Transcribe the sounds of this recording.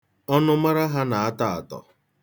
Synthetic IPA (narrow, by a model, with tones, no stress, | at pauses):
ɔ˦nʊ˦ma˦ɾa˦ɦa˦na˨a˦ta˦a˨tɔ̰˨